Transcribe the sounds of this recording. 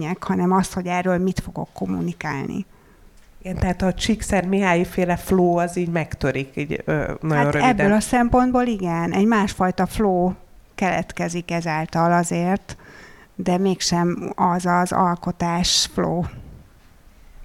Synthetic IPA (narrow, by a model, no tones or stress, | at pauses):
ɲɛkhɒnɛmɒst̪ho̞ɟɛrːøːlmit̪fo̞ɡo̞̰kːo̞mṵnikaːlnḭ | iɡɛnt̪ɛɦaːt̪ɒt͡ʃiksɛrmiɦaːjifeːlɛfloːɒziːɟmɛkt̪øɾikiːɟø̰nɒɟaonrøɛibd̪øːlɒsɛmpo̞nd̪boːliɡɛnɛɟmaːʃfɒjt̪ɒfloː | kɛlɛ̰t̪kɛzikɛzaːlt̪ɒlɒzeːrt̪ | d̪ɛmeːkʃɛmɒzɒzɒ̰lko̞t̪aːʃfloː